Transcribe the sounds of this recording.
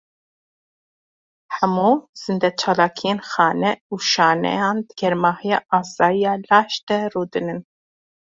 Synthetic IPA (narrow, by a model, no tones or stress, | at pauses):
hɛmuːz̥ɨnd̪ɛt͡ʃʰɑːlɑːkʰijenxɑːnɛuːʃɑːnɛ̰jɑːnd̪ɨɡ̥ɛɾmɑːhijɑːʔɑːsɑːjijɑːlɑːʃd̪ɛruːd̪ɨnɨn